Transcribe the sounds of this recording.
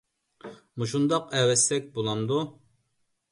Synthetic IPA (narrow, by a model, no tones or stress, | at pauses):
muʃ̬und̪ɑqɛwɛst̪ɛk̚ʲbolˠɑmd̪u